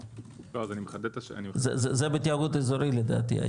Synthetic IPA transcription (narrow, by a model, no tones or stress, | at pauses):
oazanimeχad̪et̪aʃa̰nimzḛzezebet̪iaɡut̪ezoɾiled̪a̰ːt̪ḭa̰